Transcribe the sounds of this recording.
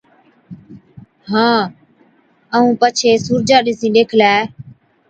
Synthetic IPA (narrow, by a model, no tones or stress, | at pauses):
ɦãː | əũːpət͡ʃʰeːsuːɾd͡ʒaːɗisĩːɗeːkʰlɛː